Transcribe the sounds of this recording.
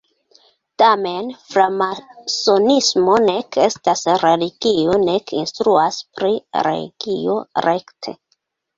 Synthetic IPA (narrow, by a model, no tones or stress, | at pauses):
tame̞nfɾamasonismo̞ne̞ke̞stasɾe̞liɡ̥io̞ne̞kinstɾuaspɾiɾḛɡ̥io̞̰ɾe̞ktʰe̞̰